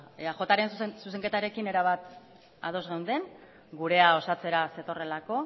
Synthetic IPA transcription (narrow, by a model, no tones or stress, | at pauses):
eaʝo̞t̪aɾe̞nssus̬e̞ŋke̞t̪aɾe̞kine̞ɾaβat̪ | a̰ð̞o̞zɣewnd̪e̞n | ɡuɾe̞ao̞sat͡se̞ɾase̞t̪o̞re̞lako̞